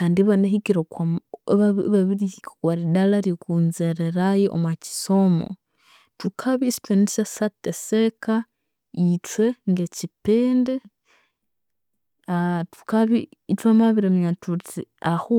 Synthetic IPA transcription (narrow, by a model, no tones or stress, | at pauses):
kaːndiβaneɦikiɾokwaβaβaβiɾikkaɾidalaɾikuːnzeɾeɾajeʔo̰mwaci̥somo̰ | tukʰaβistwenisasateseka | itweŋɡecipeːnde | atu̥kaβiːtwamaβiɾemjatutiahu